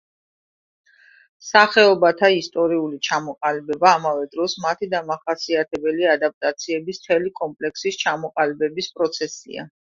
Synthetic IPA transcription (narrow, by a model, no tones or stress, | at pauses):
saχɛɔbat̪ʰaist̪ʼɔɾiulit͡ʃʰamɔqʼalibɛbaːmavɛd̪ɾɔsmat̪ʰid̪amaχasiat̪ʰɛbɛliad̪ap̚t̪ʼat̪sʰiɛbist̪ʰɛlikʼɔmpʼlɛksist͡ʃʰamɔqʼalibɛbispʼɾɔt̪sʰɛsḭa̰